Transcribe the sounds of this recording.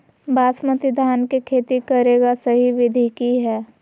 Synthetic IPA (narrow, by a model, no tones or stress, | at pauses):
bʱaːsmət̪ɪd̪ʱaːnkikʰeːt̪ikɐɾeːɡasɐɦiʋɪd̪ʱikiɦɛː